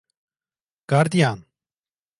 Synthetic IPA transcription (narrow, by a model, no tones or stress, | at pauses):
kaɾd̪ijaːn